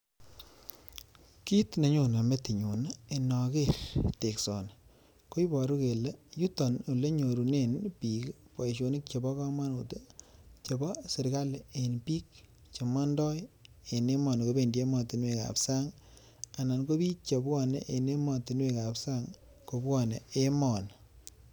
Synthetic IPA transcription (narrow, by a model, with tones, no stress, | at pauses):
ki˦tne˨ɲo˨na˨me˦ti˨ɲu˨nae˨nɔ˨ke˦ɾte˨ksɔ̰˨n | ko˦i˦bɔ˨ɾu˦ke˨le˦ju˦tɔ˨nu˨le˦ɲo˨ɾu˨ne˦npi˨k | po˨e˨ʃo˨ni˦k̚t͡ʃe˨bɔ˦kɔ˦ma˦nu˨te˦t͡ʃe˨bɔ˦sɪ˨ɾka˦lenpiː˦k̚ | t͡ʃe˨mɔ˦ndɔ˦j | e˨ne˦mɔ˨nko˦be˨ndi˦e˦mɔ˨ti˨nwe˦ka̰˨psa˦ŋ | a˨na˨nko˦bi˦t͡ʃe˨bɔ˦nḛ˨ʔe˨ne˦mɔ˨ti˨nwe˦ka˨psa˦ŋ | ko˨bwɔ˦ne˨e˦mɔ˨n